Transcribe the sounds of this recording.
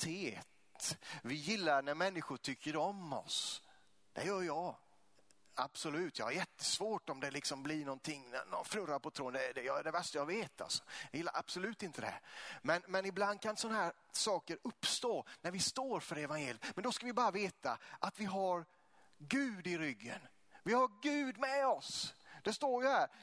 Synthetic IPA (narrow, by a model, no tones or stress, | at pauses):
t̪ʰeːt̪vɪjɪlːaɾnæɾmɛnːɪɧʊʈʰʏkːəɾɔmɔ̰s | d̪̥ɛ̰jœːɾjɑː | a̰b̥sɔlʉ̟ːt̪jɑ̰haɾjɛt̪ʰːə̥svoːʈɔmd̪ɛlɪksɔmblɪɳɔnt̪ʰɪŋːn̰nɔnfɾɵɾaɾpɔt̪ʰɾoːnd̪ɛd̪ɛjd̪ɛvæʂtajɑveːt̪ʰa̰lsɔ̥jɑjɪlːa̰ɾʔa̰b̥sɔlʉ̟ːt̪ɪnt̪ʰəd̪ɛɛ̰mɛnmɛnɪbland̪̚kʰansɔnaɦæːɾ | sɑːkəɾɵpːst̪oːnæɾvɪst̪oːɾfœɾɛvanjeːljət̪mɛnd̪ɔskavɪbɑːɾaveːt̪aʔat̪vɪɦaɾ | ɡʉ̟ːd̪ɪɾʏɡːə̰n | vɪhaɾɡʉ̟ːd̪mɛɔsd̪̥ɛst̪oːɾjəhæːɾ